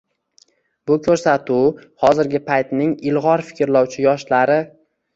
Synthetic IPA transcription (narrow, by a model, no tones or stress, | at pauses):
bʊkʲʰɵɾsat̪ʰʊhɒzɪɾɡʲɪpʰajt̪nɪŋɪlˠʁɒɾfɪ̥kʲɾlɒwt͡ʃʰɪjɒʃlaɾɪ